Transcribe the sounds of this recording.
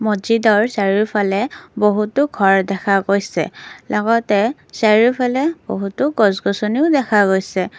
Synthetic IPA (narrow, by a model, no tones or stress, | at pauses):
mɔzidɔɹsaɹiɹpʰalɛboɦutʊɡʱɔɹdɛkʰaɡojsɛ̰lʔɔɡɔtɛsaɹiɹpʰalɛb̥oɦutʊɡɔzɡɔsɔniʊdɛkʰaɡojsɛ